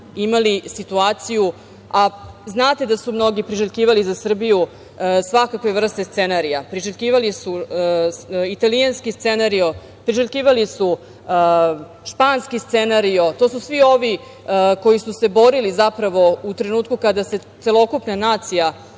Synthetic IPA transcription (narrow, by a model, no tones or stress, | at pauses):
imalisit̪uaːt̪siju | aznaːt̪e̞d̪asumno̞ɡipɾiʒeʎʲkiːʋalizasr̩biju | sʋakakʋevr̩st̪est̪se̞naɾijapɾiʒeʎʲkiːʋalisu | it̪alijanskist̪senaɾio | pɾiʒeʎʲkiːʋalisu | ʃpaːnskist̪senaɾiot̪o̞ːsusʋio̞ʋi | ko̞jisuse̞bo̞ɾilizapɾaʋo̞ut̪ɾe̞nuːt̪kukad̪ase̞t̪e̞lˠo̞kupnanaːt̪sija